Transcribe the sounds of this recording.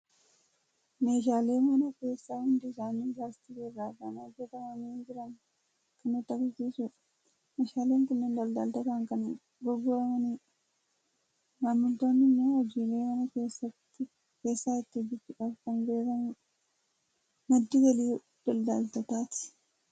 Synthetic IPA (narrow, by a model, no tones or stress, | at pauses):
meːʃ̬aːle̞ːmɐnɐke̞ːsːaːhʊnd̪ɪsaːnːɪd͡ʒaːst̪ɪɡerːaːbanad͡ʒɛt̪ɐmɐmeːnd͡ʒɪɾɐŋ | kɐnɪt̪ːɐkɐsiːsʊ | meʃaːleːŋkʊnːɪnd̪ɐld̪aːlt̪ɐt̪aːŋkɐn | ɡɔɡʊɾɐmɐni | mamːʊnt̪oːnːɪnːewɐd͡ʒiːleːmɐnɐkeːsɐt̪ːɪ | keːsːaːɪt̪ːɪbɪtːɪᶑɐkɐnbeːkɐn | mɐd̪ːɪɡɐliː | d̪̥ɐld̪a̰ːlt̪ɐt̪aːt̪ɪ̥